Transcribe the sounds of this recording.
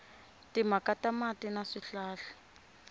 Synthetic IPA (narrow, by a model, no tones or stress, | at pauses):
timakatamatinaʂiɬaːɬḁ